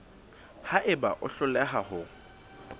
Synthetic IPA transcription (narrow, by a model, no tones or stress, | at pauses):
haʔɪba̰ʔʊ̰ɬʊlɛɦahʊ